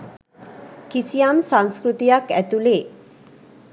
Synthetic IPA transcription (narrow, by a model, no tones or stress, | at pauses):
kisijamsãŋskɾut̪ijakɛt̪ule